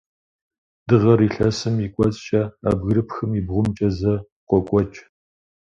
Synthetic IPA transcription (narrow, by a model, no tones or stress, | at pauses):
d̥ɨʁɐɾiːɬɐsɨmikʷʼɔt͡sʼt͡ʃʼɐa̰bɣɨɾɨpxɨmibʁʷʊmt͡ʃʼɐzɐ | qʷɔkʷʼɔt͡ʃʼ